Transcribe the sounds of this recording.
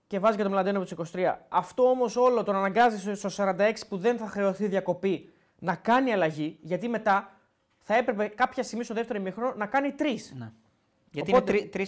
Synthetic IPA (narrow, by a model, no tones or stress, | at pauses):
ce̞vɐzicɐt̪omlɐnd̪enopot̪isi̥ko̞si̥t̪ɾiɐ̰ɐft̪o̞omo̞so̞lo̞t̪onɐnɐŋɡɐzisst̪o̞sɐɾɐnd̪ɐe̞ksi̥puðe̞nθɐxɾe̞o̞θiðʝɐko̞pi | nɐkɐniɐlɐʝiʝɐt̪ime̞t̪ɐ | θɐe̞pɾe̞pe̞kɐpçɐsimist̪oðe̞ft̪e̞ɾoimixɾoonɐkɐnit̪ɾisn | ɐopot̪i